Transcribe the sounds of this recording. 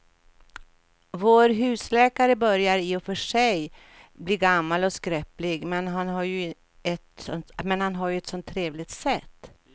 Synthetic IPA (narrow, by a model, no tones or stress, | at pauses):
voːɾɦʉ̟ːslɛːkaɾəbœɾjaɾɪɔfœʂɛj | bliːɡamːalɔskɾɛplɪɡmɛnɦanɦaɾjɵ | ɛt̪ɔnmɛnhanɦaɾjɵɛt̪sɔnt̪ʰːɾeːvlɪɡt̪sɛt̪ː